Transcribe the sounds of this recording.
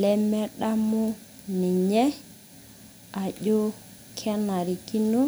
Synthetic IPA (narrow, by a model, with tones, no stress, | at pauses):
lɛ˦mɛ˦ɗa˦mʊ˦ | nɪ˨ɲɛ˦ | a˨ʄo˦ | kʰɛ˦na˨ɾi˨ki˦nu˦